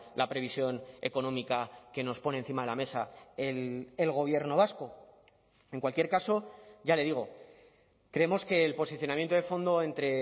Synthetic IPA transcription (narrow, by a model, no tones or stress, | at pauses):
lʔapɾe̞βisjo̞ne̞̰ko̞nõ̞mikake̞no̞spo̞ne̞ːn̟θimaðe̞lame̞saelelɣ̞o̞β̞je̞ɾno̞β̞asko̞ | e̞ŋkwalkje̞ɾkaso̞ʝale̞ðiɣ̞o̞ | kɾe̞emo̞ske̞ːlpo̞siθjo̞namjent̪oefo̞nd̪o̞e̞nt̪ɾe̞